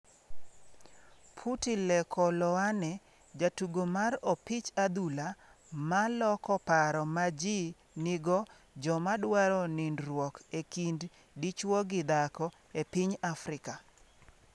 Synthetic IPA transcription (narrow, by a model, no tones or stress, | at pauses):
pʰutilɛkʰɔlɔanɛ | d͡ʒatuɡomarɔpɪt͡ʃad̪ula | malɔkɔpaɾɔmad͡ʒi | nɪɡɔ | d͡ʒɔmadwaɾɔnindɾwɔkekind | dit͡ʃwɔɡɪd̪akɔ | epɪɲafɾɪka